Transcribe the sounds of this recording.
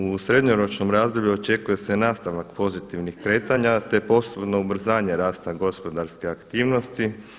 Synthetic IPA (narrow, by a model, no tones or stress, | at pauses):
usɾe̞d̪ɲoɾo̞t͡ʃno̞mɾaːzd̪obʎʲuot͡ʃe̞kuje̞se̞naːst̪aʋakpo̞zit̪iʋnixkɾe̞ːt̪aɲat̪e̞po̞sebno̞ubɾ̩zaːɲe̞ɾaːst̪aɡo̞spo̞d̪aɾskeakt̪iːʋno̞st̪i